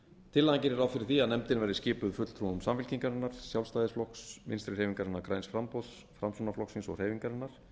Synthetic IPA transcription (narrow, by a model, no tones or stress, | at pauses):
t̪ʰɪlːajɲcɪɾɛɾawfɪɾɪɾ̥θiaðnɛmt̪ɪnvɛɾðɪscɪːpʏðfʏt̪l̥t̪ʰɾunʏmsamfɪl̥ciŋkaɾɛnːaɾ̥sjawlst̪ajðɪsflɔksmɪ̰nst̪ɾɪrejviŋkaɾɛnːaɾkɾajnsfɾampɔðs | fɾamsɔnaflɔksinsɔ̰r̥eːjviŋkaɾɛnːaɾ̥